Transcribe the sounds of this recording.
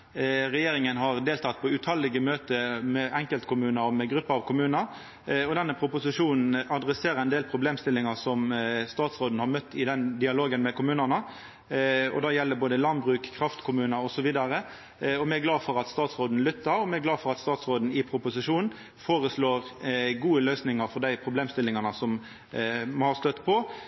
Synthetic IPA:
ɾɛjeːɾɪŋənɦɑʁd̪eːlt̪ʰɑt̪̚pʰɔʉt̪ʰɑlːɪɡəmøːt̪əmɛʔɛŋkəlt̪kʰʊmʉːnəɾɔmɛɡɾʉpːəɑʋkʰʊmʉːnə | ɔd̪ɛnːəpʰɾʊpʊsɪʂuːnn̩ɑd̪ɾɛseːɾəɾɛnd̪eːlpʰɾʊbleːmst̪ɪlːɪŋɑsɔmst̪ɑːt̪sʁoːd̪n̩hɑɾmœt̪ʰːɪd̪ɛnd̪ɪɑloːɡənmɛkʰʊmʉːnənə | ɔ̰d̪ɑːjɛlːəboːd̪əlɑnbɾʉːkkʰːʁɑft̪kʰʊmʉːnəɾɔsɔʋiːd̪ɑɾə | ɔmɛæɡlɑːfɔɾɑt̪st̪ɑːt̪sʁoːd̪n̩lʏt̪ːəɾɔmɛæɡlɑːfɔɾʁɑt̪st̪ɑːt̪sʁoːd̪n̩ɪpʰɾʊpʊsɪʂuːnn̩ | foːɾəsloːʁɡuːəløːsnɪŋɑɾfɔɾd̪æɪpʰɾʊbleːmst̪ɪlːɪŋɑnəsɔm | hɑst̪œt̪ːpʰɔ

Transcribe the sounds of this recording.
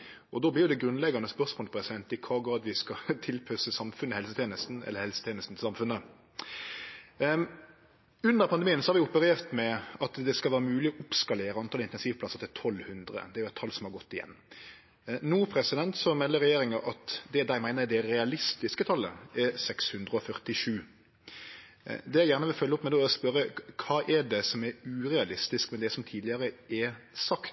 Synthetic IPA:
ɔd̪oːblɪːjʊd̪ɛɡɾʉnlɛɡɑnəspœʁsmoːlɪpʰɾɛsɪd̪ɛnt̪ɪkʰɑːɡʁɑːd̪ʋɪskɑt̪ʰɪlpʰœsəsɑmfʉnəhɛlsət̪ʰeːnəst̪n̩ɛ̰lːəɾhɛlsət̪ʰeːnəst̪n̩t̪ʰɪlsɑmfʉnːə | ʉnd̪əɾpʰɑnd̪ɛmiːənsɔhɑɾʋɪʊpəɾeːʁt̪mɛɑt̪d̪ɛskɑlʋæːɾəmʉːlɪɔʔʊpskɑleːɾəɑnt̪ʰɑːlɪnt̪ɛnsiːʋpʰlɑsət̪ʰɪlt̪ʰɔlːhʉnd̪ɾə̰d̪ɛæɾjʊæɪt̪ʰːɑlsɔmhɑɾɡɔt̪ːɪjɛ̰nː | nuːpʰɾɛsɪd̪ɛnt̪sɔmɛlːəɾɛjeːɾɪŋɑʔɑt̪d̪ɛd̪æɪmæɪnəɾd̪ɛɾɛɑlɪst̪ɪskət̪ʰɑlːə̰ɛɾsɛkshʉnd̪ɾəɔfœʁt̪ɪʂʉː | d̪ɛjæɪjæːʁnəʋɪlfœlːɔpmɛd̪ɛspœɾəkʰɑːʔɛɖɛsɔmɛɾʉːɾɛɑlɪst̪ɪskmɛd̪ɛsɔmt̪ʰiːd̪ɪəɾəɛsɑkt̪

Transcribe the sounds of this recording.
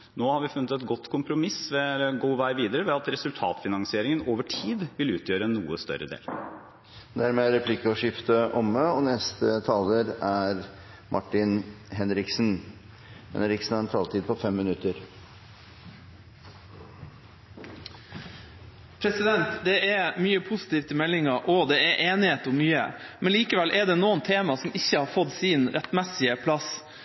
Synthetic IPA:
noːhɑɾʋɪfʉnːət̪ɛt̪ɡɔt̪ːkʰʊmpɾʊmɪsʋɛɡuːʋæɪʋiːd̪əɾəʋɛɑt̪ɾɛsʉlt̪ʰɑ̰ːt̪fɪnɑŋsɪeːɾɪŋənoːʋəʈʰiːd̪ʋɪlʉːt̪ʰjøːɾəɛnːuːəst̪œ̰ɾə̰d̪ḛːl | d̪æɾmeːæɾɛpʰlɪkːəɔʂɪft̪əʔɔməɔnɛst̪ət̪ʰɑːləɾæɾ | mʔɑʈːɪn | ɦɛnɾɪksn | hɛ̰nɾɪksn̩hɑɾɛnt̪ʰɑːlt̪ʰiːd̪̚pʰɔfɛmːɪnʉt̪əɾ | pʰɾɛsɪd̪ɛnt̪d̪ɛʔɛmyːəpʰʊsɪ̥t̪iːʋt̪ʰɪmɛlːɪŋɑʔɔd̪ɛɛʔeːnɪheːt̪ʊmːyːə̰mʔɛnliːkəʋɛlʔɛɖ̪ɛːnuːənt̪ʰeːmɑsɔmɪçːəhɑɾfɔd̪siːnɾɛt̪mɛsɪəpʰlɑs

